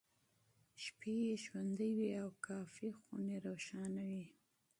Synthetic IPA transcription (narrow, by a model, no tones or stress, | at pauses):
ʃpeeʃwand̪əjwiawkɑfixuneɾawʃɑnawi